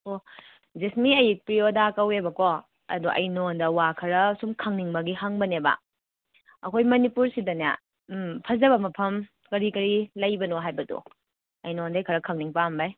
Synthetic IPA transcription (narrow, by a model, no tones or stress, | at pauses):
o | zesmiɐjik̚pɾiodakɐwebɐko | ɐ̰duʔɐ̰jnondɐwakʰɐɾɐsumkʰɐŋniŋbɐɡihɐŋbɐnebɐ̰ | ɐkʰojmɐnipuɾsidɐna̰ | pʰɐzɐbɐmɐpʰɐm | kɐɾikɐɾilɐjbɐnoɦajbɐdṵ | ɐjnondɐjkʰɐɾɐkʰɐŋniŋpambaj